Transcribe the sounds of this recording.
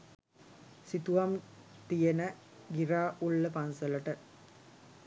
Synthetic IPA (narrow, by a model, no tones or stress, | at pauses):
sit̪uʋɐm | t̪ijenə | ɡiɾaːʔuɭːəpɐnsɐlɐʈə